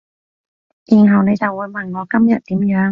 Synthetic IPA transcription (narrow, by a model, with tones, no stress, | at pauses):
jiː˨˩nɦɐ˨wne˨˧jt͡sɐ˨wːuː˨˧jmɐ˨nŋɔː˨˧kɐ˥mjɐ˨t̚t̪iː˨˥mjœː˨˥ŋ